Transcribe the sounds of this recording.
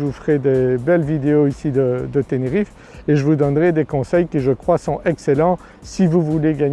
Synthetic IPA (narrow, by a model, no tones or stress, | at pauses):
ufəʁɛd̪ebɛlvid̪eoisid̪əd̪ət̪eneʁif | eʒəvud̪ɔnʁɛd̪ekɔ̃sɛjkʲiʒəkχwasɔ̃ɛkselɑ̃ | sivuvuleɡaɲ